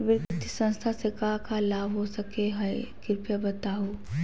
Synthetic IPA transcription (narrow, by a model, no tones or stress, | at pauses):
ʋɪɾkt̪isə̃nst̪ʰasekakalaːʋɦosəkeɦɐekɪɾpjəbət̪aːɦo